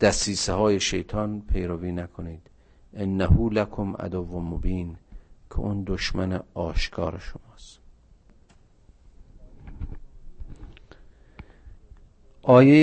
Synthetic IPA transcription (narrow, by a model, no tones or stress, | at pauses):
d̪̥æsiːsehɒːjeʃe̞jt̪ʰɒːnpʰe̞jɾoviːnækʰoniːd̪̥ | ʔenːæhuːlækʰomæ̰d̪ovomobiːnkʰḛʔund̪oʃmæneɒːʃkʰɒːɾeʃomɒːst̪ | ʔɒːje